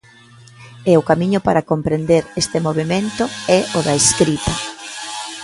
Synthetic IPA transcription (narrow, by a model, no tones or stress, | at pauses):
ɛʊkamiɲʊpaɾakompɾend̪eɾest̪ɪmoβ̞emẽnt̪ʊɛoðɐeskɾit̪ɐ